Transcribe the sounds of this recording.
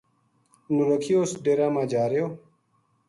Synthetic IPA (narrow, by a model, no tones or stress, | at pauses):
nuɾəkʰijoːsɖeɾaːmãːd͡ʑaːɾejoː